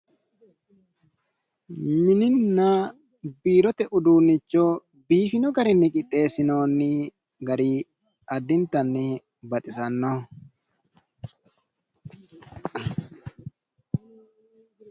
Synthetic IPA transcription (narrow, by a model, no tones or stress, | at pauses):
mɪnɪnːa | biːɾɔt̪ɛʔʊd̪uːnːɪt͡ʃːoː | biːfɪnɔɡɐɾɪnːɪkʼɪt̪ʼːe̞ːsɪno̞ːnːɪ | ɡɐɾiː | ɐd̪ːɪnt̪ɐnːɪ | bɐt̪ʼɪsɐnːo